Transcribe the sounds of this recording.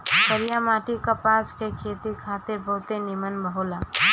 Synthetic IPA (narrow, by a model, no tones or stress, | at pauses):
səɾijamaːʈikəpaːskekʰeːt̪ikʰaːt̪ebəɦʊt̪enɪmənbəɦolaː